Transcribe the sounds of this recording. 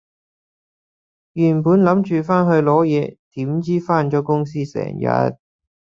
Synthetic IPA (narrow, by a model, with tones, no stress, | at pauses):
jyː˨˩npuː˨˥nlɐ˨˥mt͡ʃyː˨faː˥nɦɵ˧ɥlɔː˨˥jɛː˨˧t̪iː˨˥mt͡siː˥faː˥nt͡ʃɔː˨˥kʊ˥ŋs̬iː˥sɛ̰ː˨˩ŋjɐ̰˨˧t̪̚